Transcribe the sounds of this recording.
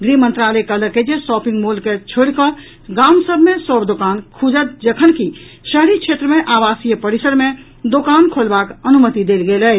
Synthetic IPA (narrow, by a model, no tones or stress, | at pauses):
ɡɾimənt̪ɾalɛkələked͡ʒesɔpĩŋɡmolket͡ʃʰoɽkə̃ | ɡamsəbʱmesobd̪okankʰud͡ʒət̪̚d͡ʒəkʰənki | ʃəɦɾikt͡ʃʰet̪ɾəmeʔaβasijəpəɾisəɾme | d̪okankʰolbakənumət̪id̪elɡelə